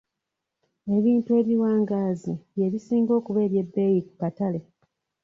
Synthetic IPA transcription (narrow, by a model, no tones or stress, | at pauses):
e̞βiːntue̞ːβiwaːŋɡaːziβje̞βisiːŋɡo̞ːkuβe̞ːɾje̞bːe̞jikukatale̞